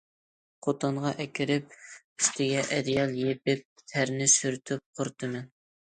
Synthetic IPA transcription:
qʰot̪ʰɑɴʁɑʔɛkʲɪɾɪp̚ | yst̪ʰɪɡʲɛʔɛd̪ijɑlˠjep̚ɪp̚t̪ʰæɾnɪsyɾt̪ʰyp̚qʰʊɾt̪ʰɨmɛn

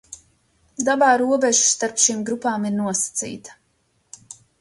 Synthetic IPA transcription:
d̪abaːɾuɔbɛʒu̥st̪aɾpʃiːmɡɾupaːmiɾnuɔsḁt̪sḭːt̪ḁ

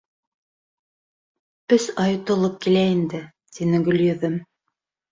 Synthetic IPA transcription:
pɵsɑjŏt̪ŏlˠɤp̚kilæind̪ɘ | t̪inɘɡɵ̆lʲjɤ̆ðɘm

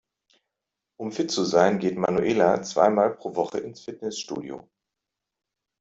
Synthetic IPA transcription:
ʔʊmfɪtt͡suzaɪənɡeːtmanuʔeːlat͡sv̥a̰ɪmaːlpʁ̥oːvɔχəʔɪnsfɪtnɛsʃtṵːdḭo̰

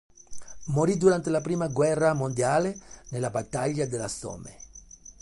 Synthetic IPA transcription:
moɾid̪uɾant̪elapɾiːmaɡwɛrːamond̪jaːlenelabat̪ːaʎːad̪ela̰sɔ̰mḛ

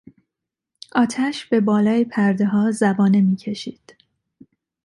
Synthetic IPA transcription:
ʔɒːt̪ʰæʃb̥e̞bɒːlɒːjepʰæɾd̪eɦɒːzæbɒːne̞miːcʰe̞ʃiːd̪̥

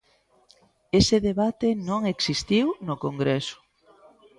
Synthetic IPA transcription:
esɪðeβat̪enõŋeksist̪iwnokoŋɡɾesʊ̥

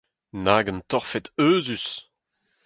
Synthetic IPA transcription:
naːɡənt̪ɔʁfɛt̪øːzys

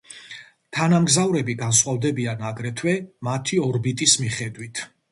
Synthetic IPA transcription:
t̪ʰanamɡzavɾɛbiɡansχwavd̪ɛbianaɡɾɛt̪ʰwɛmat̪ʰiɔɾbit̪ʼismiχɛd̪wit̪ʰ

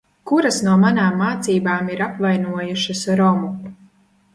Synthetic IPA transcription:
kuɾɐsnuɔmanaːmːaːt̪siːbaːmiɾapvajnuɔjuʃɐsɾɔmu

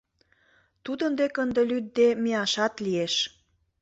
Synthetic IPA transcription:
t̪ud̪ənd̪ekənd̪elyd̪̚d̪emeɑʃɑt̪lieʃ

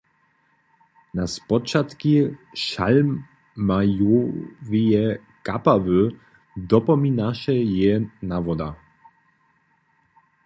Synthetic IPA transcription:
naspɔt͡ʃat̪kiʃa̰lmː | ajovijɛ | kapavø | d̪ɔpɔminaʃɛjɛnavɔd̪a

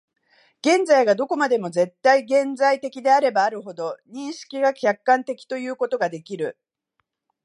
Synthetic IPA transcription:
ɡ̥ẽ̞nd͡zaiɡad̪o̞ko̞mad̪e̞mo̞ze̞t̪ːaiɡẽ̞nd͡zait̪e̞kʲid̪e̞aɾe̞baːɾɯ̟ɦo̞d̪o̞ɲ̟ĩɰ̃ɕi̥kʲiɡakʲakːãnt̪e̞kʲi̥t̪o̞jɯ̟ːko̞t̪o̞ɡad̪e̞kʲiɾɯ̟

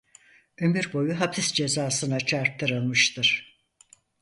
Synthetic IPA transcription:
ømyɾbo̞juɦapʰisd͡ʒe̞zaːsɯnat͡ʃʰaɾt̪ʰːɯɾɯlˠmɯʃt̪ʰɯɾ̥

